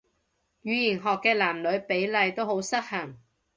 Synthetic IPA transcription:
jyː˨˧ji˨˩nɦɔː˨kːɛː˧laː˨˩mlɵ˨˧ɥpe˨˥jlɐ˨˧jt̪o˥who˨˥wsɐ˥k̚hɐ˨˩ŋ

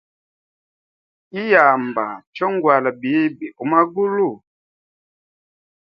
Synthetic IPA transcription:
i˦ja˨mba̰˨t͡ʃɔ˦ŋ˦ɡwa˨la˨bi˨˦bi˨ʔu˨˦ma˦ɡu˦lu˦˨

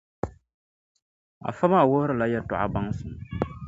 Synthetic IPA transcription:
a̰˨fa˦ba˦˨wʊ˦hʊ˦ɾɨ˦˨la˦jɛ˦tʊ̰˨ʔa̰˦ba˦ŋ˦sɨ˨m˨

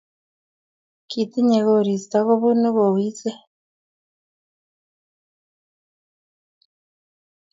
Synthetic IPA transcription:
kʰi˨ti˦ɲe˨ɣoɾi˨si̥ta˦ɣo˦βunu˦βo˨wiː˦t͡se˦

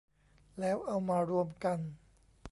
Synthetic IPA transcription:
lɛː˦˥wʔa˧wmaː˧ɾu˧əmka˧n

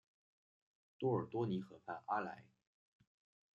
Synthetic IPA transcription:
t̪wɔ˥ə˞˨˩t̪wɔ˥ni˧˥xɤ˧˥fʰa˥˩nʔa˥la̰˧˥ɪ

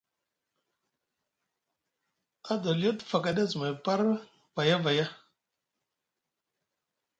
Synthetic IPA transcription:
a˦dɔ˨ljo˦tfa˨ka˨de˦zu˨me˨pa˦ɾ | va˨ja˦va˨ja˦

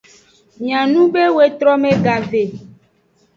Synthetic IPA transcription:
ɲ˨ã˨nũ˦be˦we˨t̪ɾɔ˦mẽ˦ɡa˨ve˨

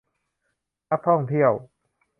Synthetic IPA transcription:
na˦˥k̚t̪ʰɔ˥˩ŋt̪ʰi˥˩əw

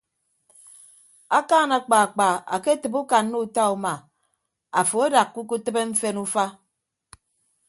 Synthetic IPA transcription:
a˦kaː˦˨na˨k͡pa˨k͡pa˨a̰˨ke˦tɨ˨bu˦ka˨nːo˦u˨ta˦u˨ma˨ | a˨fo˨e˦da˨kːu˦ku˦tɨ˦be˦ɱ̩˦fe˦nu˦fa˦

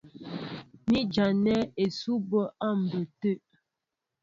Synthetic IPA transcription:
mi˦d͡ʒa˨nɛ˦e˨su˦bə˦a˦˨m̩˨bə˨tə˦˨ʔ

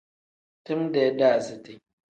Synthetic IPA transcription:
tʊ˦mde˨˦da˦˨zi˨ti˨

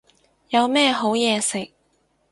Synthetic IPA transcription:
jɐ˨˧wmɛː˥˧ɦo˨˥wjɛː˨˧sɪ˨k̚

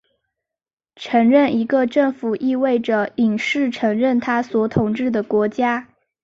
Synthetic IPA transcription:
ʈ͡ʂʰɤ˧˥ŋɻə˥˩ni˧˥ɡə˧ʈ͡ʂɤ˥˩ŋfu˨˩ʔi˥˧we˥˩ɪʈ͡ʂə˩i˨˩ŋʂɻ̩˥˩ʈ͡ʂʰɤ˧˥ŋɻə˥˩nt̪ʰa˥swɔ˨˩˥t̪ʰʊ˨˧˥ŋʈ͡ʂɻ̩˥˩d̪ə˩kwɔ˧˥t͡ɕja˥

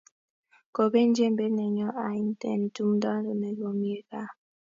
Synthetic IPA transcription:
ko˨be˦n̩˦d͡ʒe˦m̩˦be˦nɛ˨ɲɔ˦ʔa˨˦n̩˦tɛ̰˦˨n̩˨tu˦m˦dɔ˦n˦do˨nɛ˨lo˨mi˦e˦ka˦

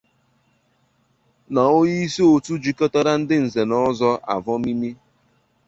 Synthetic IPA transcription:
na˨o˦ji˦i˦se˦o˨tu˦d͡ʒi˦kɔ˦ta˦ɾa˦n̩˦dɪ˦n̩˨ze˨nɔ˦zɔ˦ʔa̰˨vɔ˦mi˦mi˦

